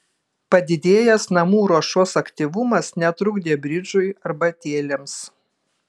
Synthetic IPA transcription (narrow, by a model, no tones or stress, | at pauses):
pɐd̪ʲɪd̪ʲeːjɛsnɐmuːɾoɔʃoːsɐkt̪ʲiʋʊmɐsnʲɛt̪ɾʊɡd̪ʲeːbʲɾʲɪd͡ʒʊɪɐɾbɐt̪ʲeːlʲɛms